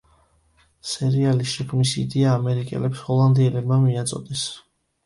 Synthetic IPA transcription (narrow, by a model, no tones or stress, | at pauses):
sɛɾialiʃɛkʰmisḭd̪ɛaːmɛɾikʼɛ̰lɛpshɔlˠand̪iɛlɛbmamiat̪sʼɔ̰d̪̥ɛs